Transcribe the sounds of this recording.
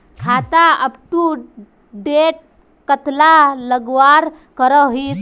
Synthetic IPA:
kʰat̪aəbʈ̪u | ɖeʈ̚ | kət̪laləɡʋaɾ | kəɾəɦi

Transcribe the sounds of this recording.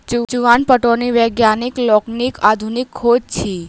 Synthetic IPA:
d͡ʒud͡ʒuʋanpəʈoniʋəɡjaniklɔknikad̪ʱunikʰːod͡ʒt͡ʃʰi

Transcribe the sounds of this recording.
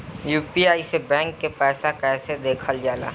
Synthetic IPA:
juːpiaːisebɛ̃ːŋkːepɛːsakɛːsed̪eːkʰəld͡ʒaːla̰ː

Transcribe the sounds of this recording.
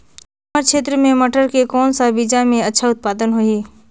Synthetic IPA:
məɾkʃʰeːt̪ɾəmẽmɐʈəɾkekɔːnsabid͡ʒamẽɐtːʃʰaʊt̪̚paːd̪ənɦoiː

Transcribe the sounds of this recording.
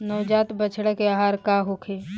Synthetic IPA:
nɔːd͡ʒaːt̪bət͡ʃʰɽəkeaːɦaːɾkaɦokʰeː

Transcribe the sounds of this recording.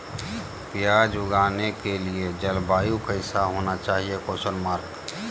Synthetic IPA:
pjad͡ʒʊɡaːnekelied͡ʒəlbaːjukəɪsaɦoːnat͡ʃaːɦiekosənmaːɾɡ

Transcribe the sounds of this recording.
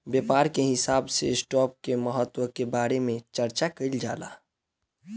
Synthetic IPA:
bjeːpaːɾkeɦɪsaːbsḛsʈɔːp̚keməɦət̪wəkebaːɾemẽt͡ʃəɾt͡ʃakəild͡ʒa̰ːla̰ː

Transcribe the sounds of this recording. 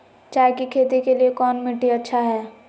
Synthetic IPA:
t͡ʃaːɦekikʰeːt̪ikeliekɔːnmɪʈːiɐtːʃʰaɦɛː

